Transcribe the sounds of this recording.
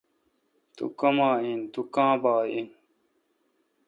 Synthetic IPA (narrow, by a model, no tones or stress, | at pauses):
t̪ṵkɐmãːint̪ukãːbaːʔin